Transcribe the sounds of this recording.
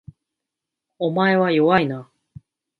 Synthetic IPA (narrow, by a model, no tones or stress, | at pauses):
o̞mae̞βajo̞βaina